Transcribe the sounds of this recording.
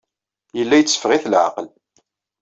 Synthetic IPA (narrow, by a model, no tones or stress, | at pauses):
jəlːæjət͡sːə̥fʁɪθlʕa̰qəl